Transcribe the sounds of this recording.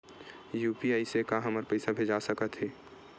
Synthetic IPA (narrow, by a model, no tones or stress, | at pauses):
juːpiaːisekaɦɐməɾpəɪsabʱeːd͡ʒasɐkət̪ɦɛː